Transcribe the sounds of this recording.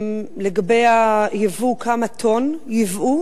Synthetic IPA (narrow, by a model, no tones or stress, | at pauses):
mleɡabejajevukʰamat̪ʰo̞njivʔu